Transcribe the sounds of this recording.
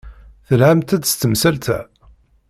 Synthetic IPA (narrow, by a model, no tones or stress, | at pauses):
θəlʕamt̪æd̪st̪əmsælt̪æ̰